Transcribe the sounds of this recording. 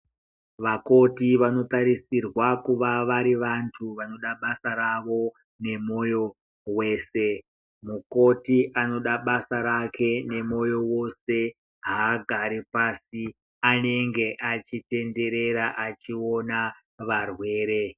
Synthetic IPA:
ʋako̞tiʋano̞taɾisirwakuʋaʋaɾiʋantʰuʋano̞ɗaɓasaɾaʋo̞ | ne̞mo̞jo̞ | we̞ːse̞ | muko̞tiʔano̞ɗaɓasaɾakʰe̞ne̞mo̞jo̞wo̞se̞ | ɦaːɡʱaɾipasi | ane̞ŋɡe̞ʔat͡ʃite̞nde̞ɾe̞ɾaʔat͡ʃio̞na | ʋarwe̞ːɾe̞

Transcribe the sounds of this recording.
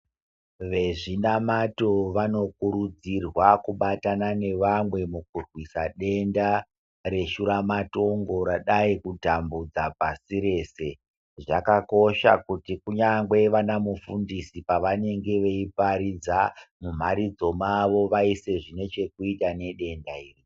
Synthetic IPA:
ʋe̞ʐinamato̞ʋano̞kuɾud͡zirwakuɓatanane̞ʋamwe̞mukurwisaɗe̞nda | ɾe̞ʃuɾamato̞ŋɡo̞ɾaɗaikutambud͡zapasiɾe̞ːse̞ | ʐakako̞ʃa̰kutikuɲaŋɡwe̞ʋanamufundisipaʋane̞ŋɡe̞ʋe̞ipaɾid͡zamum̤aɾid͡zo̞maʋo̞ʋaise̞ʐine̞t͡ʃe̞kuitane̞ɗe̞ndaiːri

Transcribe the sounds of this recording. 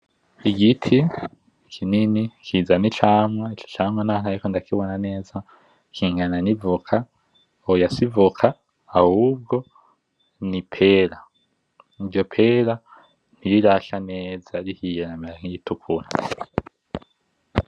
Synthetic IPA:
iɡitʰi | kʰininikʰiːzanit͡ʃaːmŋait͡ʃo̥t͡ʃaːmŋananaɾikondakiβonane̞ːza | kʰiŋɡananivukʰa | ojasivukʰaː | huːb̚ɡo̞ | nipʰe̞ːɾa | ivɟo̞pʰeːɾa | niɾiɾaʃane̞ːzaɾihijenameɾakijitukʰuna

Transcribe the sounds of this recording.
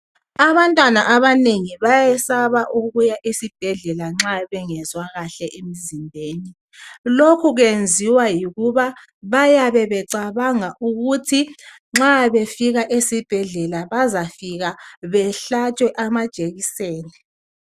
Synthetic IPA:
aβantʼwanaʔaβaneŋiβajɛsaβaʔuɣujaʔisib̥ʱɛɮɛlaŋ͡ǁaβɛŋɛzwaɣaɬɛʔemizimbʱeːni | lokʰuɣend͡zʱiwajiɣuβa | βajaβɛβɛǀaβaŋaʔuɣutʰi | ŋ͡ǁaβefiɣaʔesib̥ʱɛɮɛlaβazafiɣaβɛɬat͡ʃʰʼwɛʔamad̥ʒ̥ʼeɣiseːni

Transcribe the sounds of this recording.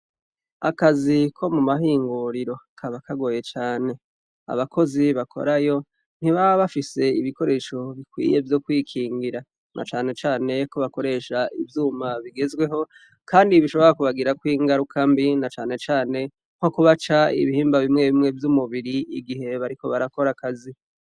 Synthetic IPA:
akazikʰo̞mumahiːŋɡuɾiɾo̞kʰaβakaɡo̞je̞t͡ʃaːne̞ | a̰βakʰo̞ziβakʰo̞̰ɾajo̞ | n̥iβaβafise̞iβiko̞ɾe̞ːʃo̞βikwḭːje̞vjo̞kwiːkʰiːŋɡiɾa | nʔa̰t͡ʃaːne̞t͡ʃaːne̞ko̞βako̞ɾe̞ʃaʔivjuːmaβiɡe̞zɡwe̞ɦo̞ | kaːndiβiʃo̞βo̞ɾakuβaɡiɾakwiːŋɡaɾukʰambinat͡ʃaːne̞t͡ʃaːne̞ | ho̞kuβat͡ʃaḭβihiːmbaβimŋe̞βimŋe̞vjumuβiɾiiɡiɦe̞βaɾiko̞βaɾako̞ɾakazi

